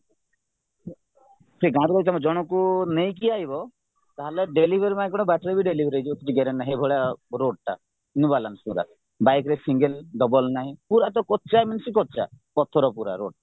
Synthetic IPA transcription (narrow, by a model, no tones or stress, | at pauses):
pʰɾiɡãɾuɾɔit̪amɔd͡ʒɔɽ̃ɔkunejkiajbɔ | t̪aɦaleɖelibʱeɾimaẽkɔɽ̃ɔbaʈɾebiɖelibʱɾejd͡ʒibɔk̪iʈiɡeɾennaɦebʱɔɭjaɾoɖ̚ʈa̰ | nubalansuɾa̰ | bajkɾesiŋɡelɖɔbɔlnaɦĩpuɾat̪̬ɔkɔtːt͡ʃajmansikɔtːt͡ʃapɔt̪ʰɔɾɔpuɾa̰ɾoɖ̚a